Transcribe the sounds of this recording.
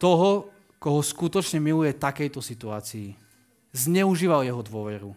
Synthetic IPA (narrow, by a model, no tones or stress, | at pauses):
t̪ɔɦɔ | kɔɦɔskut̪ɔt͡ʃɲɛmilujɛt̪akɛjt̪ɔsit̪uaːt͡siː | zɲɛuʒiːʋaljɛɦɔd̪ʋʊɔʋɛɾu